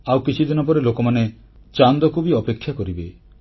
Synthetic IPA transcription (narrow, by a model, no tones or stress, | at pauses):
awkit͡ʃʰid̪inɔp̬ɔɾelokɔmane | t͡ʃand̪ɔkubiɔpekʰːjakɔɾibe